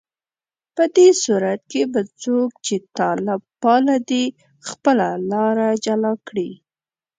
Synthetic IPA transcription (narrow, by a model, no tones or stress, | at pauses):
pəd̪esuɾat̪̚kebat͡sok̚t͡ʃet̪ɑlɪbpɑlad̪i | xpəlalɑɾad͡ʒalɑkɽi